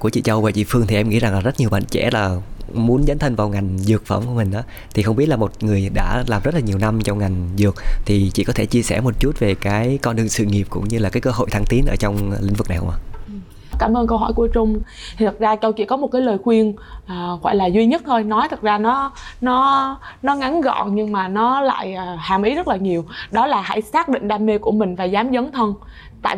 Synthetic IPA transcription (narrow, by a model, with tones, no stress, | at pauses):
ku˧˩ət͡ɕḭ˧˨t͡ɕə˧wvəː˧˨t͡ɕḭ˧˨fɨ˧ət̪ʰi˨˩ʔɛ˧mŋḭ˧˥za˨˩ŋlaː˨˩zə˦˥t̚ɲi˨˩əwɓa̰ː˧˨nt͡ɕɛ̰˧˥˩laː˨˩mu˨˦ənzə˨˦nt̪ʰə˧nvaː˨˩wŋa˨˩jŋ̟zɨ˨˩ək̚fə̰ː˧˩mku˧˩əmï˨˩ŋ̟ʔaː˨˦ | t̪ʰi˨˩xə˧wŋ͡mi˦˥əlaː˨˩mo˨˩t̚ŋɨ˨˩əjɗa̰ː˧˥laː˨˩mzə˦˥t̚laː˨˩ɲi˨˩əwna˧mt͡ɕɔ˧wŋ͡mŋa˨˩jŋ̟zɨ˨˩ək̚t̪ʰi˨˩t͡ɕḭ˧˨kɔ˨˦t̪ʰe˧˩t͡ɕi˧əsɛ˧˩mo˨˩t̚t͡ɕu˦˥t̚ve˨˩kaː˨˦jkɔ˧nɗɨ˨˩əŋsɨ̰˧˨ŋi˨˩əp̚kʊ̰˧˥ŋ͡mɲɨ˧laː˨˩kaː˨˦jkəː˧ɦo̰˧˨jt̪ʰaː˧ŋt̪i˨˦nʔəː˧˩t͡ɕɔ˧wŋ͡mlḭ˧˥ŋ̟vɨ˨˩kna˨˩hə˧ŋ͡mʔa̰ː˧˩˨ | kaː˧˩mʔəː˧nkə˧wɦɔ̰˧˩jku˧˩ət͡ɕʊ˧ŋ͡m | t̪ʰi˨˩t̪ʰə˨˩t̚zaː˧t͡ɕə˧wt͡ɕḭ˧˨kɔ˨˦mo˨˩t̚kaː˨˦jləː˨˩jxwi˧ənʔaː˨˩ɣwa̰ː˧˨jlaː˨˩zwi˧ɲə˦˥t̚t̪ʰo˧jnɔ˨˦jt̪ʰə˨˩t̚zaː˧nɔ˨˦nɔ˨˦nɔ˨˦ŋa˨˦nɣɔ̰˧˨ɲɨ˧ŋmaː˨˩nɔ˨˦la̰ː˧˨jʔːhaː˨˩mʔi˨˦zə˦˥t̚laː˨˩ɲi˨˩əwɗɔ˨˦laː˨˩ha̰˧˩jsaː˦˥k̚ɗḭ˧˨ŋ̟ɗaː˧mːe˧ku˧˩əmï˨˩ŋ̟vaː˨˩zaː˨˦mzə˨˦ŋ͡mt̪ʰə˧n | t̪a̰ː˧˨